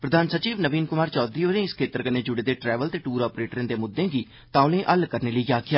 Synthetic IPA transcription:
pɾəd̪aːnsət͡ʃiːʋnəʋiːnkʊmaːɾt͡ʃɔːd̪iːoɾẽːɪskʰeːt̪əɾkəneːd͡ʒʊɽeːd̪eːʈɾɛːʋəlt̪eːʈuːɾɔːpɾeːʈɾẽːnd̪eːmʊd̪ːẽːɡiː | t̪ãːʊlẽːʔəlkəɾneːləiaːkʰjaː

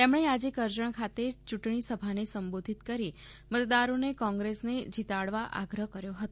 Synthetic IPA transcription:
t̪emɳ̃ead͡ʒekəɾd͡ʒəɳ̃kʰat̪et͡ʃuʈɳ̃isəbʱanesəmbod̪ʱit̪kəɾi | mət̪d̪aɾonekɔ̃ŋɡɾesned͡ʒit̪aɭʋaʔa̰ɡɾəɦkəɾjoɦət̪o

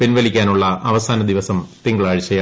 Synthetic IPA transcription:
pinʋɐlikʲːaːnuɭːɐʔɐʋɐsaːnɐd̪iʋɐsɐmt̪iŋɡɐɭaːɻt͡ɕːɐja

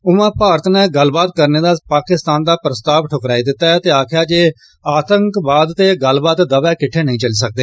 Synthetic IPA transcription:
ʊʋãːpaːɾət̪nãːɡəlbaːt̪̚kəɾneːd̪aːpaːkɪst̪aːnd̪aːpɾəst̪aːʋʈʰʊkɾaːiːd̪ɪt̪ːaːɛːt̪eːaːkʰɪjaːd͡ʒeː | aːt̪əŋkbaːd̪t̪eːɡəlbaːt̪d̪əʋɛːkɪʈʰːeːnəɦĩːt͡ʃəliːsək̚d̪eː

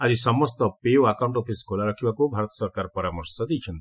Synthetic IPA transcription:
ad͡ʒisɔmɔst̪ɔpeoakaw̃ɳʈopʰiskʰolaɾɔkʰibakubʱaɾɔt̪ɔ̥sɔɾkaɾɔpɔɾamɔɾsɔd̪ijt͡ʃʰɔnt̪i

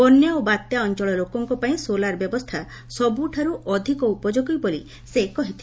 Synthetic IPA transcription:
ɔnːeobat̪jaɔnt͡ʃɔɭɔlokɔŋkɔpaĩsolaɾɔbjɔbɔst̪ʰa | sɔbuʈʰaɾuʔɔd̪ʱikɔupɔd͡ʒoɡɔjbolḭ | sekɔɦit̪ʰi

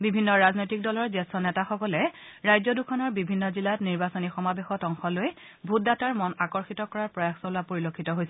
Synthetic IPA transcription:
bibʱinːɔɹaznojtik̚dɔlɔɹzɛstɔnɛtaxɔkɔlɛɹajzɔdukʰɔnɔɹbibʱinːɔzilatniɹbasonixɔmabexɔtɔŋxɔloj | bʱut̚dataɹmɔnakɔɹxitɔkɔɹaɹpɹɔjaxsɔlapoɹilokʰːitɔɦojsɛ

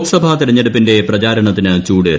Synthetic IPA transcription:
ksɐbʱat̪iɾɐɲːeɽupːinde̞prɐt͡ɕaːɾɐɳɐt̪ːinɨt͡ɕuːɽeːɾ

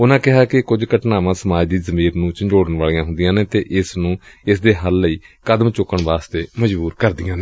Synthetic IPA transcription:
ʊnãːkɪɦaːkɪkʊd͡ʒkəʈnaːʋãːsəmaːd͡ʒd̪iːzəmiːɾnũːt͡ʃəɲd͡ʒoːɽəɳʋaːlijãːɦʊ̃nd̪ɪjãːneːt̪eːʔɪsnũː | ɪsd̪eːɦəlːəiːkəd̪əmt͡ʃʊkːəɳʋaːst̪eːməd͡ʒbuːɾkəɾd̪ɪjãːneː

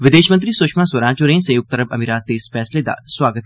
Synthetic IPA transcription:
ʋɪd̪eːʃmɐ̃nt̪ɾisʊʃmãːswɐɾãːt͡ʃoɾẽːnsɐjuːɡ̚t̪ɐɾəbɐmiːɾaːt̪ːeːsfɛːsled̪a̰ːswaːɡət̪

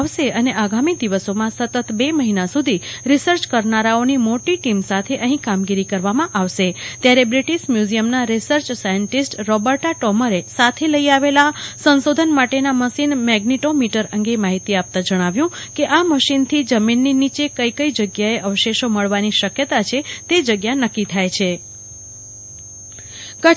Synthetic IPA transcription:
aʋʃeəneʔaɡamid̪iʋəsomãsət̪ət̪beməɦinasud̪ʱiɾisəɾt͡ʃkəɾnaɾaonimoʈiʈimsat̪ʰeʔəɦĩkamɡiɾikəɾʋamãʔaʋʃet̪jaɾebɾiʈiʃmjuzijəmnaɾisəɾt͡ʃsajəɳʈisʈɾɔbəɾʈaʈɔməɾesat̪ʰeləiaʋelasə̃nsod̪ʱənmaʈenaməʃinmɛɡniʈomiʈəɾəŋɡemaɦit̪iap̚t̪ãd͡ʒəɽ̃aʋjũ | keʔaməʃint̪ʰid͡ʒəminːinit͡ʃekəjkəid͡ʒəɡjaeʔəʋʃeʃoməɭʋaniʃəkjət̪at͡ʃʰet̪ed͡ʒəɡjanəkːit̪ʰajt͡ʃʰe | kə

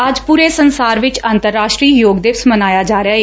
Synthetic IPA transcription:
əd͡ʒpuːɾeːsənsaːɾʋɪt͡ʃaːnt̪əɾːaːʃʈɾiːjoːɡd̪ɪʋsmənaːjaːd͡ʒaːɾeaːɦeː

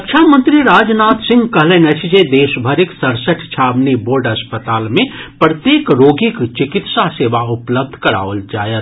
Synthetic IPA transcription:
kt͡ʃʰaːmə̃nt̪ɾiɾaːd͡ʒnaːt̪sɪ̃ŋɡkɐɦlenɐt͡ʃʰd͡ʒed̪eːʃbʱəɾɪksɐɾsəʈʰt͡ʃʰaːbniboːɾɖɦɐspət̪aːlmẽpɾət̪jeːkɾoːɡɪkt͡ʃɪkɪt̪saseːʋaʊpləb̚d̪ʱkɐɾa̰ːʋəld͡ʒa̰ːjət̪

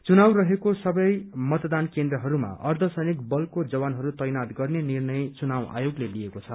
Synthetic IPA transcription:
t͡sunaw̃rʌɦekosʌbʌjmʌt̪d̪ankend̪rʌɦʌɾuma̰ʌrd̪ʱʌsʌjnik̚bʌlkod͡zʌbanɦʌɾut̪ʌjnat̪ɡʌrnenirnʌjt͡sunawʔa̰joɡlelijekot͡sʰʌ

